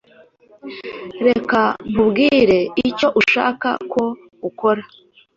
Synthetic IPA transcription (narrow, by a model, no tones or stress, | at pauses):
ɾe̞kamubɡiːɾe̞ico̞ʔuʃa̰ːka̰kʰo̞ | uko̞ɾa